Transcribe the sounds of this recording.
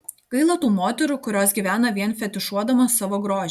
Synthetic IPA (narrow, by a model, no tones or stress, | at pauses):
ɡɐɪlˠɐt̪uːmoːt̪ʲɛɾʊkʊɾʲoːsɡʲiʋʲæːnɐʋʲiɛnfʲɛt̪ʲɪʃuɔd̪ɐmɐsɑʋoːɡɾoːd͡ʒʲ